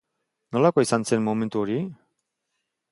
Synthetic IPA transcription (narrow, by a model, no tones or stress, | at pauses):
no̞lakoisant͡senmome̞nt̪uoɾi